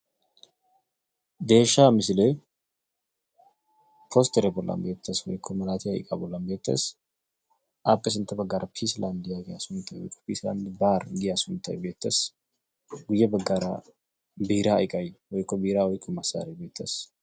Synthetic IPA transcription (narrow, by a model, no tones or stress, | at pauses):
d̪eːʃamɪs̬le | pʰost̪ʰeɾebɔlːa̰mbeːt̪ːəswɔ̰jkʰːomɐlaːt̪ʰiajkʼabɔlːambeːt̪ʰːɐ̰s | ʔapʼːesɨnt̪ːɐbɐɡaɾapʰislʔand̪jaɡɪjasʊnt̪ʰːɐjwɔ̰jkʼːɔ̥pisla̰nd̪baːɾd̪ɪjasʊnt̪ʰːɐ̰jbeːt̪ːɐs | ɡʊjːɛbɐɡaːɾa | bihɾa̰ːjkʼajwɔjkʰːobihɾawɔjkʼːɔmɐsa̰ɾebeːt̪ʰːəs